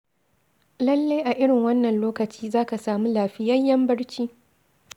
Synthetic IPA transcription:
lɐ˦lːa˦jʔa˨ʔɪ˦ɽɪ˨ŋwɐ˦nːɐ˨nloː˦kɐ˨t͡ʃiː˦zaː˦ka˨saː˨muː˦laː˨ɸɪ˦jɐ˦jːɐ˦mbɐ˦ɽt͡ʃiː˦

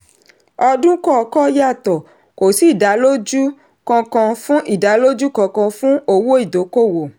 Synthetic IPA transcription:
ɔ˧dũ˦kɔ˦˨kɔ˦ja˦˨tɔ˨ | ko˨si˨˦˨da˨˦lo˦d͡ʒu˦ | kɔ̃˧kã˧fũ˦ʔi˦˨da˨˦lo˦d͡ʒu˦kɔ̃˧kã˧fũ˦o˧wo˦i˦˨do˨˦ko˦˨wo˨

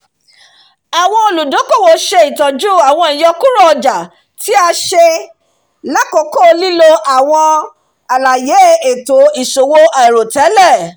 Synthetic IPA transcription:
a˨w̃ɔ̃˧o˧lu˨dõ˨˦ko˦˨wo˨ʃe˧i˨tɔ˨d͡ʒu˦˨a˨w̃ɔ̃˧i˨jɔ˧ku˦ɾɔ˦ɔ˧d͡ʒa˨ | ti˦a˧ʃe˧ | la˦kɔ˨˦kɔ˦˨˧li˦lo˦ʔa˨w̃ɔ̃˧ | a˨la˨je˨˦˨e˨to˨˦i˨so˨wo˧a˨ɾo˨tɛ˨˦lɛ˦˨

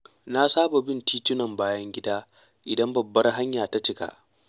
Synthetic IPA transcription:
na˦saː˦ba˨bɪ˦ntiː˦tʊ˦nɐ˨mbaː˦jɐ˦ŋɡʲɪ˦daː˦ | ʔɪ˨dɐ˦mbɐ˨bːɐ˦rɦa˦ɲjaː˨ta˦t͡ʃɪ˦ka̰˨ʔ

